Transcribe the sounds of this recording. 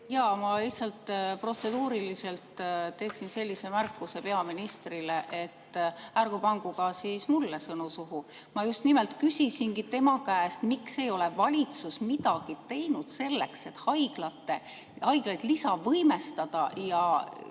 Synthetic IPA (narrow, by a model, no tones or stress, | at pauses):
jɑːmɑliçtsɑlt̪ːpro̞t̪se̞d̪uːɾilise̞lt̪t̪ːe̞ːksinse̞lʲːise̞mærkːˑuse̞pe̞ɑminist̪rileʔet̪ːærɡ̥opɑŋɡ̥uɡ̥ɑsiːsmulːesɤnusuɦu | mɑjust̪nimelt̪kysʲisinkit̪e̞mɑkæːst̪mikse̞jo̞le̞vɑlʲit̪susmid̪̥ɑɡ̥it̪e̞jnud̪̥se̞lːe̞̰kse̞t̪ːhɑjɡ̥lɑt̪ːˑe̞ | hɑjɡ̥lɑjd̪̥lisɑvɤjmest̪ɑd̪̥ɑjɑ